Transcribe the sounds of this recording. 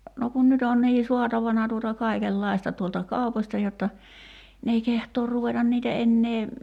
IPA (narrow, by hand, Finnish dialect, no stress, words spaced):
no kun nyt on niː suɑtɑʋɑnɑ tuotɑ kɑikelːɑistɑ tuoltɑ kɑuposʲtɑ jotːɑ n ei kehtoːr ruʋetɑ niːtæ enːeː